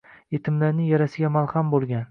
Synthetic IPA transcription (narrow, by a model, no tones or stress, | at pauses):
et̪ʰɪmlaɾnɪŋjaɾasɪɡʲamalˠχambolˠɡʲan